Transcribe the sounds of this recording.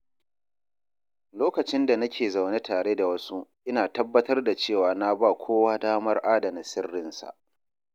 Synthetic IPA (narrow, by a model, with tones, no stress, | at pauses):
loː˦kɐ˨t͡ʃɪ˦nda˨nɐ˦kʲeː˨za˨wne˦tʰaː˨ɽeː˦da˨wɐ˦su˦ʔɪ˦naː˨tɐ˦bːɐ˦tɐ˦rda˨t͡ʃeː˦˨waː˨na˦ba˦˨kʷʰoː˦waː˦daː˦mɐ˦rʔaː˦dɐ˨na˨sɪ˦rːɪ˦nsa̰˨ʔ